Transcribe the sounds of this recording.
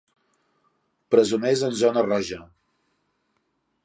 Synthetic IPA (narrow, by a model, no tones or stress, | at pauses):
pɾəzunɛzənzɔnərɔʒə